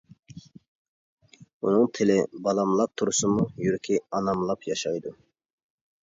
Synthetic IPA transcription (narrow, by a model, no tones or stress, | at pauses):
unɨŋt̪ʰɪlɪbɑlˠɑmlˠɑp̚t̪ʰuɾsɨmujyɾkʲʰiɑnɑmlˠɑpjɑʃɑjd̪u